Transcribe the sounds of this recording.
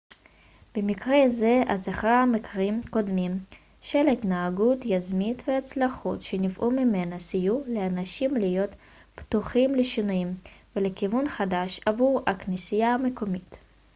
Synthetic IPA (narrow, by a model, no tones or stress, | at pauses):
b̥emikʁeze̞azaχamekʁimko̞d̪mim | ʃelit̪naːɡut̪jazmit̪veat͡slaχṵt̪ʃenifʔumime̞nasijuleanaʃimlijo̞t̪ | pt̪uχimleʃinujimvelekivunχad̪aʃavuʁaknisijamekomit̪